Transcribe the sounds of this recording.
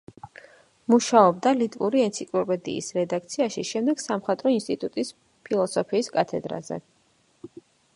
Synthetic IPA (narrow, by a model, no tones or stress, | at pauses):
muʃaɔb̚d̪alit̪ʼvuɾiɛnt̪sʰikʼlɔpʼɛd̪ḭːsɾɛd̪ak̚t̪sʰiaʃiʃɛmd̪ɛɡ̥samχat̪ʼɾɔinst̪ʼit̪ʼut̪ʼis | pʰilˠɔsɔpʰiːskʼat̪ʰɛd̪ɾa̰zɛ̰